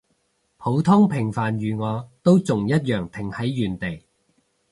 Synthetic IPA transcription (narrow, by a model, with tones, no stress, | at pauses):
pʰo˨˥wt̪ʰʊ˥ŋpʰɪ˨˩ŋfaː˨nɥyː˨ŋɔː˨˧t̪o˥wt͡sʊ˨ŋjɐ˥t̚jœː˨˩ŋt̪ʰɪ˨˩ŋhɐ˨˥jːyː˨˩nt̪e˨˩j